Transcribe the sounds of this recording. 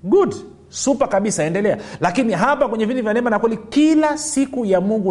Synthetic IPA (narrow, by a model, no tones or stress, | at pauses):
ɡud | supakaɓisaɛndɛlɛalakiniɦapakwɛɲɛvindivjanɛmanakwɛlikilasikujamuŋɡu